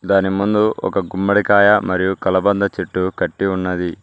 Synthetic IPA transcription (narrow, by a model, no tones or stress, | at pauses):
d̪aːnimund̪uɔ̰kɐɡumːbɐɽikaːjɐmɐɾijukɐlɐbɐnd̪ɐt͡ʃiʈːukɐʈːiunːɐd̪i